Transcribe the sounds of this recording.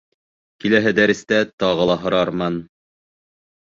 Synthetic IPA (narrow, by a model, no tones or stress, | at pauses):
kilæɦɘd̪æɾɘ̆st̪æt̪ɑʁɤ̆lˠɑɦŏɾɑɾmɑn